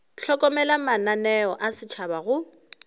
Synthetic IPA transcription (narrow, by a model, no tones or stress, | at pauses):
ɬʰɔkʼɔmɛlamananɛɔʔasɪt͡ʃʰabaɣʊ